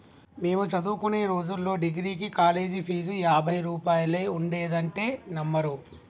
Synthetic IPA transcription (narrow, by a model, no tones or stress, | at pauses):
me̞ːmut͡ʃɐd̪uːkune̞ːɾo̞ːd͡ʒulːo̞ːɖiɡɾiːkikaːle̞ːd͡ʒipʰiːd͡ʒujaːbʱɐjɾuːpaːjɐlejuɳɖe̞ːd̪ɐɳʈe̞ːnɐmːɐɾu